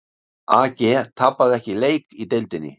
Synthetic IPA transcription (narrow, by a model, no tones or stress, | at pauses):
aːcet̪ʰapːaðɛhcilejkit̪elt̪inḭ